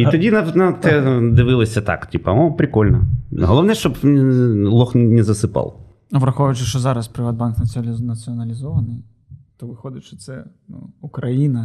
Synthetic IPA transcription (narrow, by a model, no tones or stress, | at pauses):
it̪ɔdʲinɐnɐt̪ɛd̪ɪʋɪlˠɔsʲɐt̪a̰ktʲipɐ̰ɔpɾɪkɔlʲnɐɦɔlˠɔʋnɛʃt͡ʃɔb | lˠɔxnɛzɐsɪpɑ̰lˠ | ɐbɾɐxɔʋɐjt͡ʃɪʂɔzɑɾɐspɾɨʋad̪̚banknɐnɐt̪sɨɐnɐlʲɪzɔʋɐnɨj | t̪ɔʋɨxɔd̪ɪt͡ʃɔt̪sɛnṵukɾɐjinɐ